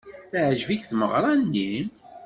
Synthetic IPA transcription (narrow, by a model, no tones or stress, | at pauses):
θaʕʒvikθməʁɾˤɑnːim